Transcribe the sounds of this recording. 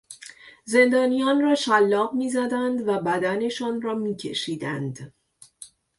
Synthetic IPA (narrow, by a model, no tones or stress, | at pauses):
ze̞nd̪ɒːnijɒːnrɒːʃælːɒːbmiːzæd̪ænd̪væbæd̪æne̞ʃɒːnrɒːmiːcʰe̞̰ʃiːd̪ænd̪